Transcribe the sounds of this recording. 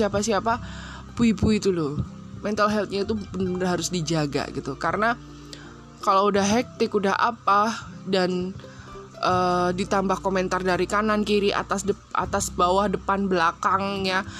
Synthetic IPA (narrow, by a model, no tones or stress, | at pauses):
iapasiapa | puipuit̪ulʊ | mɛnt̪alɦɛlt̪̚ɲait̪ubənənərɦaɾʊsdid͡ʒaɡa̰ɡit̪ukaɾəna | kaloudahɦɛk̚t̪ɪkudaɦʔa̰padan | ʔəːdit̪ambahkomɛnt̪ardaɾikanankiɾiʔa̰t̪asdə | ʔa̰t̪asbawahdəpanbəlakaŋɲa